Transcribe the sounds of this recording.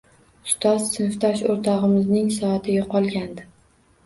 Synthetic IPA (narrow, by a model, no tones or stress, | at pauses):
ʊst̪ʰɒz̥sɪnft̪ʰɒʃoɾt̪ʰɒʁɨmɪznɪŋsɒːt̪ʰɪjaqʰɒlˠɡʲand̪ɪ